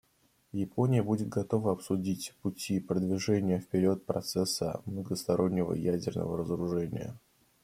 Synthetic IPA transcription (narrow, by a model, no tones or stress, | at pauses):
jɪpʰo̞nʲɪjəbudʲɪt̪̚ɡɐt̪o̞vəɐpsʊdʲitʲpʊtʲipɾəd̪vʲɪʐɛnʲɪjəfpʲɪɾʲo̞t̪̚pɾɐ̰t̪sɛsːə̰mnəɡəst̪ɐɾʔo̞nʲːɪvə̰jædʲɪrnə̰və̰ɾəzəɾʊʐɛnʲɪ̰jə̰